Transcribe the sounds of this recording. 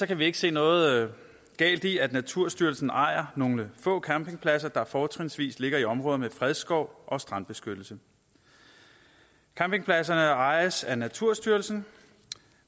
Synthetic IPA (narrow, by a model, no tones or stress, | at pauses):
sɒ̽kʰæʋie̝ɡ̥ə̥se̝̰ːnɔ̽ːð̩ˠ | ɡ̥ɛ̰ːld̥iæd̥næt͡sʰuɐ̰sd̥yɐl̩sn̩ʔɑ̈ɪ̰ɐnoŋləfɔ̰̽ːkʰæmpe̝ŋpʰlæs̬ɐd̥ɑ̈fɒːt͡sʰʁinsʋḭːsle̝ɡ̥ɐiɒ̽mʁɔ̽ːðˠmefʁɛðˠsɡ̥ɒʊ̰ʔɒ̽sd̥ʁɑ̈nb̥e̝sɡ̥ød̥l̩sə | kʰæmpe̝ŋpʰlæs̬ɐnəɑ̈ɪɐsænæt͡sʰuɐ̰sd̥yɐl̩sn̩